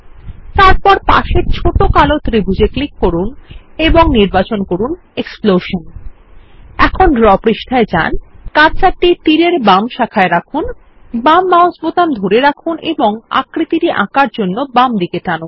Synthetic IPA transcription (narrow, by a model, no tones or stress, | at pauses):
t̪aɾpɔɾpa̰ʃeɾt͡ɕʰoʈokalot̪ɾibʱud͡ʑeklikːoɾuneboŋniɾbat͡ɕonkoɾun | eksploʃon | ɛkʰonɖɾɔpɾiʃʈʰaed͡ʑa̰nkaɾt͡ɕaʈit̪iɾeɾbamʃakʰaeɾakʰun | bamːaɦosbot̪amd̪ʱoɾeɾakʰunʔeboŋa̰kɾit̪iɾiʔã̰kaɾd͡ʑonːobamd̪iketanun